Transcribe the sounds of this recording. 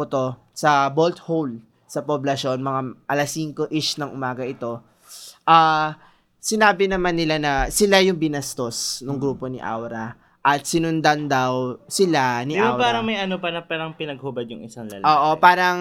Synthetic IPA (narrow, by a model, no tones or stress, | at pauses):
ot̪o̞ | sɐbolt̪howl | sɐpoblɐʃo̞nmɐŋaʔɐlasːiŋko̞ʔɪʃnɐŋʔʊmaːɡɐʔɪt̪o̞ | ʔaː | sɪnaːbɪnɐmanːɪlanɐsɪlajʊŋbɪnɐst̪o̞snoŋɡɾuːpo̞nɪ̰ʔa̰wɾɐ | ʔɐt̪̚sɪnʊnd̪and̪ɐwsɪlanɪʔbaawpaːɾɐŋmɐjʔɐnopɐnɐpaːɾɐŋpɪnɐɡ̚hobɐd̪̚jʊŋɪsaŋlɐ̰lʔoːʔopaːɾɐŋ